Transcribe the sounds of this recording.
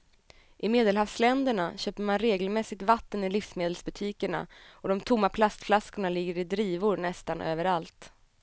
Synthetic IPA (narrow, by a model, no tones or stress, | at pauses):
ʔɪmeːd̪ɛlhavslɛnd̪əɳaɕøːpəɾmanɾeːɡəlmɛsːɪɡ̚t̪vat̪ːənɪlɪfsmeːd̪əlsbɵt̪ʰiːkəɳa̰ɔd̪ɔmt̪ʰʊmːapʰlast̪flaskʊɳalɪɡːəɾɪd̪ɾiːvʊɾnɛst̪anʔøːvəɾalt̪